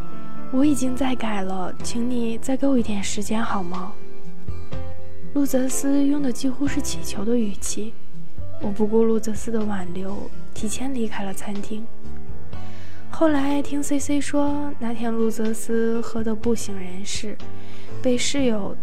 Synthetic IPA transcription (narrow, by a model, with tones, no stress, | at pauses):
wɔ˧˥i˨˩t͡ɕi˥ŋt͡sa˥˩ɪka˨˩ɪlə˦ | t͡ɕʰi˧˥ŋni˨˩t͡sa˥˩ɪke˧˥wɔ˧i˧t̪ʰjɛ˥˩nʂɻ̩˧˥t͡ɕjɛ˥nxɑ˨˩ʊmɐ˧˦ | lu˥˩t͡sɤ˧˥sɹ̩˥jʊ˥˩ŋd̪ə˩t͡ɕi˥xu˥ʂɻ̩˥˩t͡ɕʰi˨˩t͡ɕʰjo˧˥ʊd̪ə˧y˨˩t͡ɕʰi˥˩ | wɔ˨˩pu˧˥kwɔ˥˧lu˥˩t͡sɤ˧˥sɹ̩˥d̪ə˧˨wa˨˩nljo˧˥ʊ | t̪ʰi˧˥t͡ɕʰjɛ˥nli˧˥kʰa˥˩ɪlə˨t͡sʰa˥nt̪ʰi˥ŋ | xo˥˩ʊla˧˥ɪt̪ʰi˥ŋse˥ɪse˥ɪʂwɔ˥ | na˧˥t̪ʰjɛ˥nlu˥˩t͡sɤ˧˥sɹ̩˥ | xɤ˧˥d̪ə˧pu˥˩ɕi˧˥ŋɻə˧˥nʂɻ̩˥˧ | pe˥˧ɪʂɻ̩˥˩jo˨˩ʊ